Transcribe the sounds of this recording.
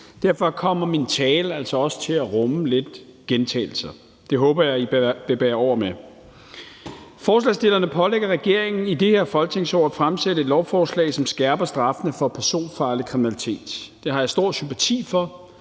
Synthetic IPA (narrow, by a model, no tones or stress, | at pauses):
d̥æɐ̰fɒ̽kʰɒ̽m̰ɐmint͡sʰɛːlæl̰sɒɒ̽sə̥t͡sʰe̝læʁɔməle̝d̥ɡ̥ent͡sʰɛ̰ːl̩sɐ | d̥e̝ɦɔ̽ːb̥ɐjɑ̈ɪi̥ʋe̝b̥æːɐɒʊ̰ɐme | fɒːslɛsd̥e̝lɐnəpʰɒ̽leɡ̥ɐʁɛɡ̥e̝ɐ̰eŋn̩id̥e̝he̝ɐfɒ̽lɡ̥̚t͡sʰe̝ŋsɒ̰ːfʁamsed̥əe̝d̥lɒʊfɒːslɛ̰ːsɒ̽msɡ̥æɐb̥ɐsd̥ʁɑ̈fnəfɒ̽pʰæɐso̝̰ːnfɑ̈ːlikʰʁiminælit͡sʰe̝̰ːd̥d̥e̝hɑ̈jɑsd̥o̝ɐ̰sympʰæt͡sʰḭːfɒ̽